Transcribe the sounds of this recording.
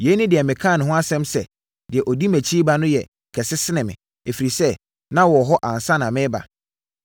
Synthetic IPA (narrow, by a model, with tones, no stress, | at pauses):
je˨˦nʊ̃˦dɪ˨ɛ˨mɪ̃˨kʰã˦˨nʊ̃˨ɦʊ̃˦a˦sɛ̃˦msɛ˨ | dɪ˨ɛ˨ʔɔ˨di˦mæ̃˨t͡ɕʰi˦ba˦nʊ̃˦jɛ̰˨ | kʰɛ˨sɪ˦sɪ˦nɪ̃˨mɪ̰̃˨ | e˨fi˨ɾi˨sɛ˦ | nã˦wɔ˨ɦɔ˦ʔã˨n˨sã˦nã˨mɪ̃˦ba̰˨